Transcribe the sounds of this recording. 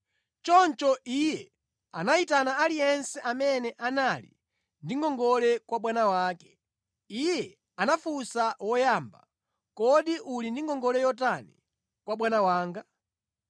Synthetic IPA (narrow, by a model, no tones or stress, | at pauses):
t͡ʃɔnt͡ʃɔʔijɛ | anaitanaːlijɛnsɛʔamɛnɛʔanalḭ | ndiŋɡɔŋɡɔlɛkwaɓwanawaːkɛ̥ | ijɛ | anafusawɔjamba̰ | kɔɗiʔulindiŋɡɔŋɡɔlɛjɔt̬anḭ | kwaɓwanawaːŋɡa